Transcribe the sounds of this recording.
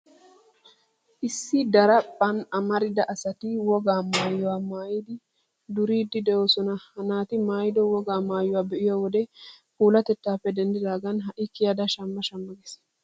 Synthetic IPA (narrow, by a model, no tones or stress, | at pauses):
ʔɪsːɪd̪ɐɾɐpʼːɐnɐmɐɾɪd̪ɐʔɐsɐt̪iwɔɡaːmaːjːɔwaːmaːjɪd̪ɪ | d̪ʊɾiːd̪ːɪd̪ɛʔoːsɔnɐhɐnaːt̪ɪmaːjɪd̪ɔwɔɡaːmaːjːʊwaːbɛʔɪjowɔd̪ɛ | kuːlɐt̪ɛt̪ːaːpːɛd̪ɛnd̪ɪd̪aːɡɐnɦɐʔɪkːɪjɐd̪ɐʃɐmːɐʃɐmːɐɡɛs